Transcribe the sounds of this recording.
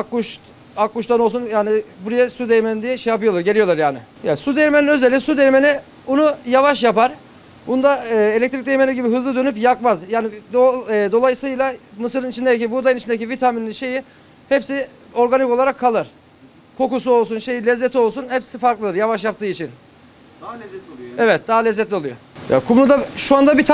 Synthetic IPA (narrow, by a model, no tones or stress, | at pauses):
kːuʃ | akːuʃt̪ʰano̞lˠsunjaːnɪbuɾajasud̪ejmenind̪ijɛʃejapɯjo̞lˠaɾɟe̞lʲijo̞lˠaɾjaːnɪ̰ | jasud̪eɾmeninøzelʲːisud̪eɾmeni | bunujavaʃjapaɾ̥ | bund̪aelʲɛc̚t̪ɾic̚d̪e̞jmeniɟibiɦɯzlˠɯd̪ø̞nypjakmazjaːnɪd̪od̪o̞lˠajsɯjlˠamɯsɯɾɯnit͡ʃʰind̪eic̬ibuɾd̪aɯnit͡ʃʰind̪ecivit̪ʰaminːʲiʃe̞ji | hɛpsi | o̞ɾɡaniko̞lˠaɾakʰːalˠɯɾ̥ | kʰo̞kusuo̞lˠsunʃe̞jilʲɛzːet̪ʰio̞lˠsunhɛpsifaɾklˠɯd̪ɯɾjavaʃjap̚t̪ʰɯːit͡ʃʰin | ɛvɛt̪̚d̪aɦalʲɛzːɛt̪lʲio̞lˠujo̰ja̰kʰumnud̪aʃuand̪abit̪ʰ